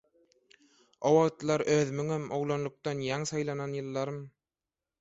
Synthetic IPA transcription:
owɑʁt̪lˠɑɾʔøːðymyŋæmoʁlˠonlˠuk̚t̪ɑnjɑŋsɑjlˠɑnɑnjɯlˠːɑɾɯm

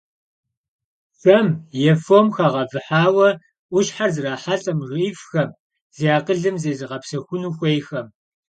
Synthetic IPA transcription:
fɐmjɛfomxaːʁɐvɨħaːwɐ | ʔʷʊʃħarzɨraːħaɬʼɐmʁiːfxɐm | z̥ijaːqəɮɨmzeːzɨʁɐpsɐxʷʊnuːxʷejxɐm

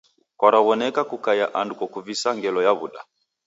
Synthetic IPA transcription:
kwaɾawɔnɛkakukajaʔandukɔkuvisaŋɡɛlɔjaβṵɗa̰

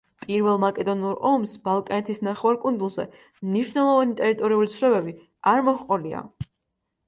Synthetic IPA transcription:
pʼiɾvɛlˠmakʼɛd̪ɔnuɾɔmsb̥alˠkʼanɛt̪ʰisnaχɛwaɾkʼund̪ulˠzɛ̰ | mniʃwnɛlˠɔvanit̪ʼɛɾit̪ʼɔɾiulit̪sʰɾɛbɛbi | aɾmɔχqʼɔlia̰

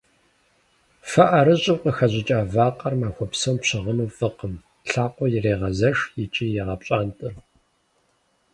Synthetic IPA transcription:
fɐʔɐɾɨɕʼɪwqəxɐʑɪt͡ʃʼaːvaːqɐrmaːxʷɔpsɐwmpɕɪʁənuːfʼɨqəm | ɬaːqʷɔjɪreːʁɐzɐʂjɪt͡ʃʼiːjɛʁɐpɕʼaːntʼɨr

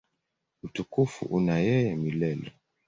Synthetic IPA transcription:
utukufṵʔunajɛjɛmilɛlɛ

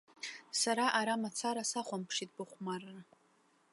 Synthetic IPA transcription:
saɾaʔaɾamat͡sʰaɾasaχʷampʰʂit̚ʼbɨχʷmarːa

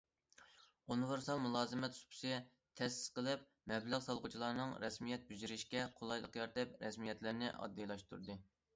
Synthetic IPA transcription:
unɪvɪɾsɑlˠmulˠɑːzɨmɛt̪su̥pʰu̥siɛ | t̪ʰɛsɪ̥z̥qəlˠɨp̚ | mɛblæʁsɑlˠqut͡ʃʰilˠɑɾnɨŋɾɛsmijɛt̪̚byzyɾɪʃkʲɛqʰolˠɑjlˠəqjɑɾt̪ɛpɾɛsmijɛt̪lɪɾnɪ̰ʔɑ̰d̪ːijlˠɑʃt̪ṵɾd̪ɨ

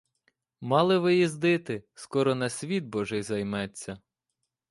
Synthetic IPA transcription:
mɑlˠɪʋɪjizd̪ɪt̪ɪskɔɾɔnɐsʲʋʲid̪̚bɔʒɛjzɐjmɛt͡sʲːɐ

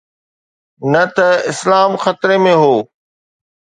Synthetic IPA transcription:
nɐt̪ɐɪslaːmxɐt̪ɾemẽɦoː

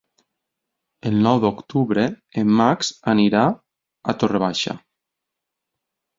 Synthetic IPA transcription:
elˠnɔwðokt̪uβɾe | emːaksaniɾa | at̪oreβ̞aʃa̰

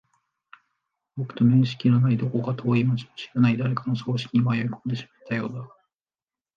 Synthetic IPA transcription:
bokɯ̥t̪o̞mẽ̞ɰ̃ɕi̥kʲiɾanaid̪o̞ko̞kat̪ʰo̞ːimat͡ɕi̥moɕi̥ɾanaid̪aɾe̞kano̞so̞ːɕi̥kʲiɲ̟imaiaikoːd̪e̞ɕi̥mat̪ʰːajo̞̰ːd̪a

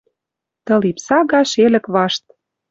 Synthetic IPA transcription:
t̪ɤ̆lipsɑɣɑʃelɘ̆kβɑʃt̪̚

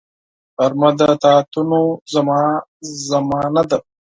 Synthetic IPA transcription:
ɐɾmɐd̪ɐt̪aːt̪unozɐmɑːzɐmɑːnɐd̪ɐ

